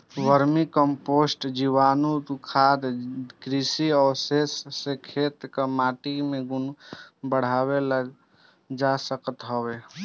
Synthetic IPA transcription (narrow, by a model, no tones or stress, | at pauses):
ʋəɾmikəmposʈd͡ʒiwanud̪kʰad̪kɾisiɔsesːekʰet̪kəmaʈimeɡunbəɽ̤aβeləɡ | d͡ʒasəkət̪ɦəbe